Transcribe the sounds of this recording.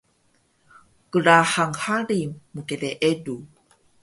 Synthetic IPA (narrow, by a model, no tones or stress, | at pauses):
kəɾaħaŋhaɾimːukeleʔedu